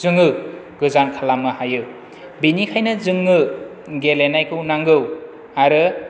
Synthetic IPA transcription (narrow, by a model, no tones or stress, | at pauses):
zɯŋɯ | ɡɯzankʰalamɯhajɯ | binikʰajnɯzɯŋːɯ | ɡelenajkʰɯwnaŋɡɯw | aɾɯ